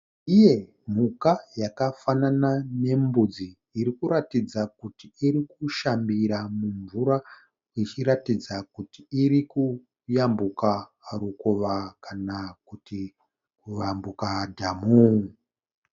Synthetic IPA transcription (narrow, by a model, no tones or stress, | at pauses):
ije̞ | m̤ukajakafananane̞mbud͡ziː | ɾikuɾatid͡zakutiiɾikuʃambiɾamuɱvuɾa | it͡ʃiɾatid͡zakutiiriku | jambuka | ɾukoʋakʰanakuti | kuʋambukadʱamu